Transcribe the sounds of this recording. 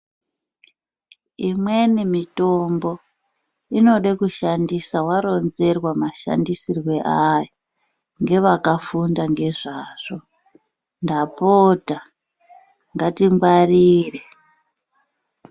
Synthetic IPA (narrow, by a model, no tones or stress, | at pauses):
imwe̞nimitombo̞ | ino̞ɗekuʃandisawaɾo̞nze̞rwamaʃa̰ndisirwe̞ʔajo | ŋɡe̞ʋakafundaŋɡe̞ʐaːʐ̥o̞ | ndapota | ŋɡatimɡwariːre